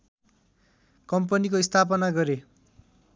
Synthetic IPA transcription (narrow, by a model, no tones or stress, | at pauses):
kʌmpʌnikoist̪ʰap̬ʌnaɡʌɾe